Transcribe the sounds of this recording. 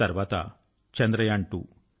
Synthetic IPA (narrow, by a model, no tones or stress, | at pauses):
ɐɾʋaːt̪ɐ̰ | t͡ʃɐnd̪ɾɐjaɳʈu